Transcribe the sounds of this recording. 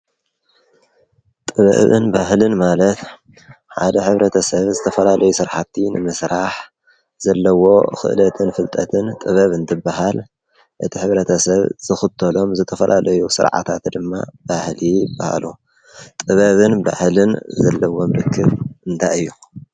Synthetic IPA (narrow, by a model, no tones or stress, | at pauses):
t̪ʼɨβɐ̰βɨ̰nbahlɨnmalɐt̪ | ħa̰d̪ɐħɨβɾɐt̪ʰɐsɐβzɨt̪ʰɐfɐlalʔɐjusɨɾħat̪ʰːinɨ̰mɨsɾaħ | zɐlːɐwo̞xɨ̰ʔlɐt̪ʰɨnfɨlt̪ʼɐt̪ʰɨnt̪ʼɨβɐβɨnt̪ʰɨbaɦal | ʔɨt̪ʰiħɨβɾɐt̪ʰɐsɐβz̥ɨxɨt̪ʰːɐlo̞mzɨt̪ʰɐfɐlʔalɐjusɨ̰ɾʕa̰t̪ʰat̪d̪ɨmːa̰b̥ahlijɪbːaha̰lu | t̪ʼɨβɐβɨnba̰hlɨnzɐlːɐwomɾɨkʰːɨβʔɨnt̪ʰaɨjːu